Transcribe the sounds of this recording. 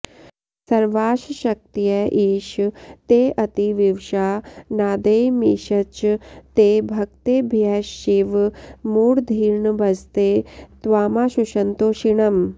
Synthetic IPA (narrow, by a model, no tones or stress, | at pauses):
sɐɾʋaːʃʃɐk̚t̪ijɐʔiːʃt̪eːʔɐt̪iʋiʋʃaːnaːd̪ejmiːʃɐt͡ʃt̪eːbʱɐkt̪eːbʱjaʃiʋmuːɽd̪ʱiːɾɳəbɐzt̪et̪ʋaːmaːʃuʃɐnt̪oːʃiɳɐm